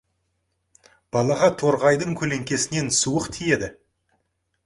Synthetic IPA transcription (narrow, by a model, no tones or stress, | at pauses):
b̥ɑlˠɑʁɑt̪ʰo̞ɾʁɑjd̪əɴkʲʰɵle̞ŋkʲe̞sɪne̞nsuwəqt̪ʰije̞d̪ɪ